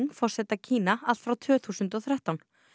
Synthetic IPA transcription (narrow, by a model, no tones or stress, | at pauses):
ŋfɔr̥sɛt̪acʰiːnaal̥t̪fɾawt̪ʰvʏːθuːsʏnt̪ɔθɾaht̪awn